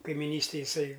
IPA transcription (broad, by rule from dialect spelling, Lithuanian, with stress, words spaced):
kɐɪmʲɪˈnʲiːsʲtʲeːj jɪˈsɐɪ